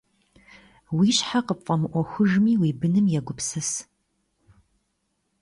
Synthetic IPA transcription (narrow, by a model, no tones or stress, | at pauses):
wiːɕħaqəpfʼɐmɨʔʷɔxʷʊʒmiːwiːbɨnɨmjɛɡʷʊpsɐs